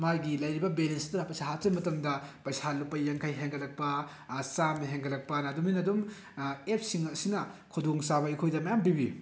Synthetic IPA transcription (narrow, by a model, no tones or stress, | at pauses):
majɡilɐjɾibɐbelenstɐɾapɐjsaɦatɾɐbmɐtɐmdɐpɐjsalupːɐjɐŋkʰajɦeŋɡɐlɐk̚pɐ | samɦeŋɡɐlɐk̚pɐnɐːduminɐdum | ep̚siŋɐsinɐkʰudoŋsaβɐikʰojdɐmɐjambibḭ